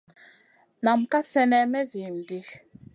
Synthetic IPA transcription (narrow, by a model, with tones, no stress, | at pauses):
na˨mka˦sɛ˦nɛ˦mɛ˦zi˨m˨di˦x